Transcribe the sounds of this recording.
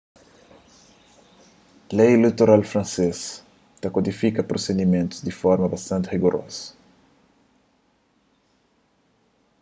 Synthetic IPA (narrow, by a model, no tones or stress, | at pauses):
lejlit̪oɾalfɾɐ̃nses | t̪ɐkod̪ifikɐpɾosed̪imẽnt̪ʊ̥zd̪ifɔɾmɐbɐst̪ɐ̃nt̪ʁiɡoɾʔɔ̰sɐ̥